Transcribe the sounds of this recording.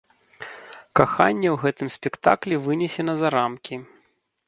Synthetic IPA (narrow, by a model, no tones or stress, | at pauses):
kaxa̰nʲːɛwɣɛt̪ɨmsʲpʲɛkt̪a̰klʲɛvɨnʲɛsʲɛnɐzaɾamkʲi